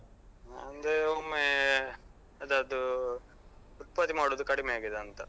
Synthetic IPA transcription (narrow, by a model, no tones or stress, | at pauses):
ɐnd̪eoːme | ɐd̪ɐd̪u | ut̪̚pat̪imaːɽoːd̪ukɐɽimejaːɡid̪eɐnt̪ɐ